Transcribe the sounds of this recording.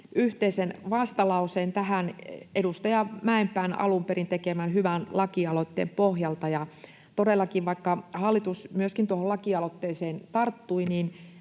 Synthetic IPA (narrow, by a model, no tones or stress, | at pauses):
yht̪eisenʋɑst̪ɑlɑuseːnt̪æhænedust̪ɑjɑmæempæinɑ̰lumperint̪ekemænhyʋænlɑkiɑlot̪ːḛːmpohjɑlt̪ɑjɑ | t̪odelːɑkiʋʋɑikːɑhɑlːit̪usmyøskint̪uoholɑkiɑlot̪ːeːseːnt̪ɑrt̪ːuinin